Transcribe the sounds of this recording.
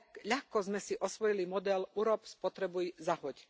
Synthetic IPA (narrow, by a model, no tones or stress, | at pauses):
ʎaxkɔzmɛsiʔɔsʋɔjilimɔd̪ɛluɾɔpspɔt̪ɾɛbujzaɦɔc